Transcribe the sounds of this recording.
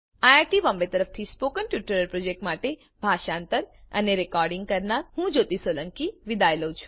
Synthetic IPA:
aaɾʈiʋɔ̃mbet̪əɾəft̪ʰispokənʈjuʈəɾəɾpɾod͡ʒek̚ʈmaʈe | bʱaʃãnt̪əɾə̰neɾekɔɾɖiŋɡ̚kəɾnaɾhũd͡ʒot̪isoləŋkiʋid̪ajləũt͡ʃʰũ̥

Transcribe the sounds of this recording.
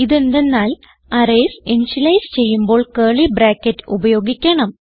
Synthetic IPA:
iðe̞nd̪e̞nːaːl | ɐreːsenɕilɐjst͡ɕe̞jːumbo̞ːɭkeːɭibraːkːɐtːubɐjo̞ːɡikʲːɐɳɐm

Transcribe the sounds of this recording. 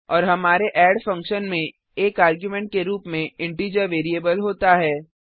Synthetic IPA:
ɔːɾɦɐmaːɾeʔɛːɖfɐ̃ŋkʃənmẽ | eːkaːɾɡjumẽɳʈ̚keɾuːpmẽɪ̃ɳʈiːd͡ʒəɾʋeːɾieːbəlɦoːt̪aɦɛː

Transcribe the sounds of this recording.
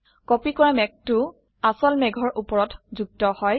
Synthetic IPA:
kɔpikɔɹamɛk̚tʊ | asɔlmɛɡʱɔɹʔupɔɹɔtzuɡ̚tɔhɔj

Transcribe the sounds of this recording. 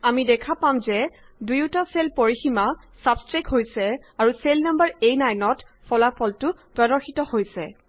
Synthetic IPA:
amidɛkʰapamzɛ | dujutaselpoɹixima | sabskɹajkɦojsɛaɹuselnambaɹejnajnɔt | fʰɔlapʰɔltʊpɹɔdɔɹxitɔhojsɛ

